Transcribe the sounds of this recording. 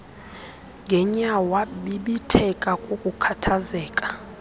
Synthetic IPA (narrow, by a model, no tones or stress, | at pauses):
ŋɡʱɛɲawaɓiɓitʰɛkʼakʼukʼukʰatʰazɛːkʼḁ